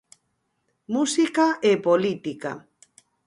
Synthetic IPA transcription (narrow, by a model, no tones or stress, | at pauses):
musikaepolit̪ika̰